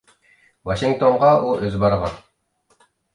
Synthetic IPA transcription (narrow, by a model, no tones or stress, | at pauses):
vaʃɪŋk̚t̪oɴʁɑʔuʔɵzbɑɾʁɑ̰n